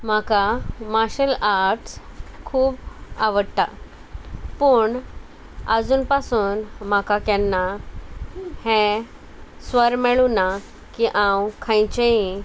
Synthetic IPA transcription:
m̤akamaɕəlaɾɾʈskʰuːbaʋəɽt̪a̰ | pəɳ | əd͡zuːnpasuːnm̤akakjanːa | hɛ̃ | sʋəɾmɛɭuna | kiʔãwkʰãjt͡ɕeĩ

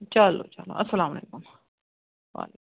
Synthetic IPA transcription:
t͡ʃɐlo̰t͡ʃɐlo̰ʔɐsːɐlaːmɐlḛːkʊm | ʋa̰ːlek

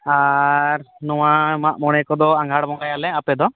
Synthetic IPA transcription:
aɾnuwãmamɔɽ̃ɛkɔd̪ɔãŋɡʱaɽmɔŋɡajalɛapɛd̪ɔ

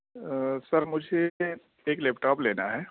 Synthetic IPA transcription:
sɐɾmʊd͡ʒʱe | eːklɛːpʈaːpleːnaɦɛː

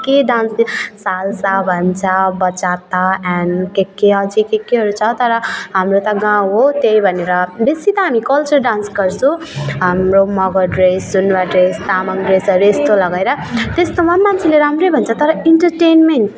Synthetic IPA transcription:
keɖanssalsabʱʌnt͡sʰʌbʌt͡sat̪aankekːeʌd͡zikekːeɦʌɾut͡sʰʌt̪ʌɾʌɦamrot̪ʌɡãwɦot̪jejbʱʌneɾʌbesit̪ʌɦamikʌlt͡ʃʌɾɖãnsɡʌɾt͡sʰũɦamromʌɡʌɖresunwaɖrest̪amʌŋɖresʌɾuest̪olʌɡajɾʌ | t̪est̪omamant͡sʰileɾamɾejbʱʌnt͡sʰʌt̪ʌɾʌiɳʈʌɾʈenmenʈ

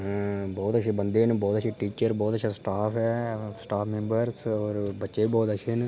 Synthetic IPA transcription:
bɔːt̪ət͡ʃʰeːbənd̪eːnbɔːt̪ət͡ʃʰẽːʈiːt͡ʃəɾbɔːt̪əʃʰasʈaːpɛːsʈaːpʰmẽːmbəɾsɔːɾbətːʃeːbɔːt̪ət͡ʃʰeːn

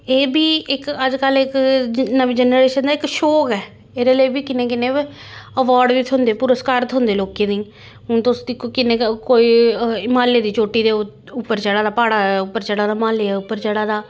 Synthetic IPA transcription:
eːbiːʔɪkəd͡ʒkəlɪknəʋeːd͡ʒɛnɾeːʃənd̪aːɪkʃoːkɛː | eːɾeːləiːbiːkɪnẽːk̬ɪnẽː | əʋaːɾɖʋiːt̪ʰʊ̃nd̪eːpuɾəskaːɾt̪ʰɦʊ̃nd̪eːloːkẽːnĩː | ɦʊ̃t̪ʊsd̪iːkːkɪnẽːkoːiːmaːleːd̪iːt͡ʃoːʈːiːd̪eː | ʊpːəɾt͡ʃəɽaːd̪aːpaːɽaːʊpːəɾt͡ʃəɽaːd̪aːmaːleːɛːʊpːəɾt͡ʃəɽaːd̪aː

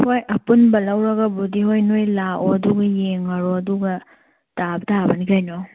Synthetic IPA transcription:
hojɐpunbɐlɐwɾɐɡɐbudiɦojnojlaoɐduɡɐjeŋɐɾoɐduɡɐ | tabtʰabɐnikʰajno

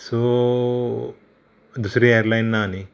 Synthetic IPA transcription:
so | d̪usɾieːɐɾlɐjnːaːni

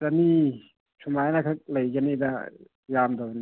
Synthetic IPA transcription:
tani | sʰumajnakʰak̚lɯjkanida̰ | jamdon

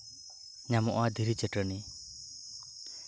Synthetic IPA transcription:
ɲamɔʔad̪ʱiɾit͡ʃɛʈəni

